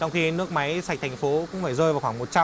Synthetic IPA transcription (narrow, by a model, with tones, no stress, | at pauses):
t͡ɕɔ˧wŋ͡mxi˧nɨ˦˥ək̚ma˨˦jsa˨˩k̚t̪ʰa˨˩ŋ̟fo˨˦kʊ̰˧˥ŋ͡mfaː˧˩jzəː˧jvaː˨˩wxwaː˧˩ŋmo˨˩t̚t͡ɕa˧